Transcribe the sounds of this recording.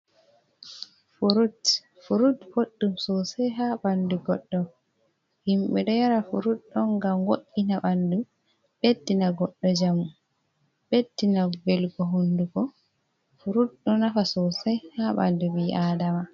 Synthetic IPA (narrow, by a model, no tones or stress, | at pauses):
fuɾut | fuɾutboɗːumsɔsɛjɦaɓanduɡɔɗːɔ | himɓɛɗɔjaɾafuɾut̚ɗɔŋɡamwoɗːinaɓandu | ɓedːinaɡɔɗːɔd͡ʒamu | bedːinabɛlɡɔɦunduɡɔ | fuɾutɗɔnafasɔsɛjhaɓa̰nduwiʔadama